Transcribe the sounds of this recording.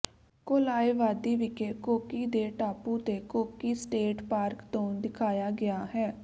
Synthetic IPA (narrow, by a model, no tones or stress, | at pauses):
koːlaːeːʋaːd̪iːʋɪkeːkoːkiːd̪eːʈaːpũːt̪eːkoːkiːsʈeːʈpaːɾkt̪õːd̪ɪkʰaːjaːɡɪaːɦɛː